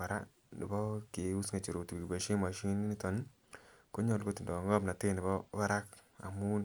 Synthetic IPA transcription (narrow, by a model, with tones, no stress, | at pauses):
a˨ɾa˦ | nḭ˨bɔ˦ke˨u˦sŋa˨t͡ʃo˨ɾo˨ti˨kki˨ba˨ʃi˦ma˨ʃi˦ni˦ni˦tɔ˨n | ko˦ɲɔ˦˨lɡo˦ti˨ndɔ˨ŋɡɔ˦pna˨tɪ˦ni˨bɔ˦wa˦ɾa˦ka̰˨mu˦n